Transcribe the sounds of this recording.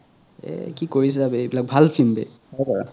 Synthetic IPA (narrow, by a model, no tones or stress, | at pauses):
ɛ̰kikoɹis̬ɛzabɛebilak̚bʱalfʰilmbɛ̰ | ɔpaɹa̰